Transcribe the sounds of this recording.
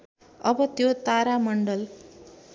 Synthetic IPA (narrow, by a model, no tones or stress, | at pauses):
ʌbʌt̪jot̪aɾamʌɳɖʌl